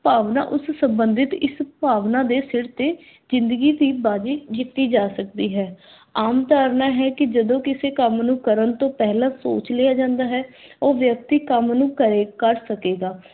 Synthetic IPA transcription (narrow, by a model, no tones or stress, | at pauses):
paːʋna̰ːʔʊssəmbənd̪ɪt̪ɪspaːʋnãːd̪eːsɪɾt̪eː | zɪ̃nd̪əɡiːd̪iːbaːd͡ʒiːd͡ʒɪkkːiːd͡ʒaːsəkd̪iːɦɛː | aːmt̪aːɾnaːɦɛːkɪd͡ʒəd̪õːkɪseːkəmnũːkəɾənt̪õːpɛɦlãːso̰ːt͡ʃleːaːd͡ʒãːnd̪aːɦɛːoːʋjək̚t̪iːkəmnũːkəɾeːkəɾsəkeːɡaː